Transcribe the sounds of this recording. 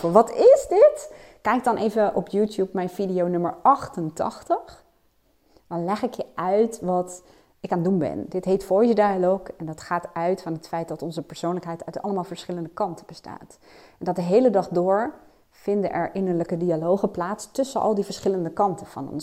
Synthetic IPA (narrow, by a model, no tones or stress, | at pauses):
ʋɑtɪzdɪtkɛjk̚dɑnʔejvəʔɔpjutjupmɛjnvidijownɵməɹɑχtəntɑ̰χtəχ | dɑnlɛχɪkjəʔœɥtʋɑt | ɪkaːndunbɛ̰ndɪtɦejtfoɹjədialowkɛndɑtχaːtœɥtfɑnɦətfɛjt̚dɑtɔnzəpəɹsownləkɦɛjtœɥtɑ̰lˠəmaːlˠv̥əɹsχɪləndəkɑntəbəsta̰ːt | ɛndɑdəɦejlədɑχdʊːɹ | v̥ɪndəʔɛɹʔɪnəɹləkədialowχəplaːtstɵsəʔɑ̰lˠdivəɹsχɪləndəkɑntəvɑ̰nɔ̰ns